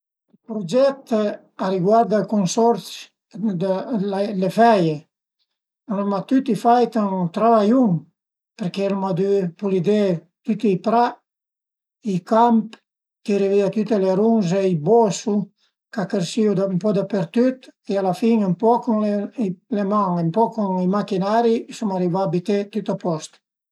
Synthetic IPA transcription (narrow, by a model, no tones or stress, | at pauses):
ilpɾod͡ʒɛt̪ | aɾiɡwaɾd̪alkonsɔɾt͡s | d̪alefɛje | lamat̪yt̪ifajt̪ant̪ɾavajuŋ | peɾkelamad̪ypulid̪e | t̪yt̪iipɾa | ikamp | kiɾiviat̪yt̪eleɾunzeibɔsu | kakeɾsiod̪mpɔd̪apeɾt̪yt̪ealafiŋampɔkunlelemaŋempɔkuŋimakinaɾisɔmaɾivaːbit̪et̪yt̪apɔst̪